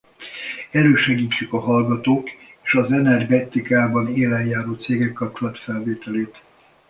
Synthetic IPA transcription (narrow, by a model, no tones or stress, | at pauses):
ɛɾøːʃɛɡiːt͡ʃːykɒɦɒlɡɒt̪oːkeːʃɒzɛnɛrɡɛt̪ikaːbɒneːlɛjjaːɾoːt̪seːɡɛkːɒp̚t͡ʃolɒt̪fɛlveːt̪ɛleːt̪